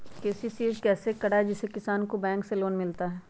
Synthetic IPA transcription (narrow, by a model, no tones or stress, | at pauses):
keːsisiet͡ʃkɛːsekɐɽaɦɛd͡ʒɪsekɪsaːnkobɛ̃ːŋkseloːnmɪlt̪aɦɛː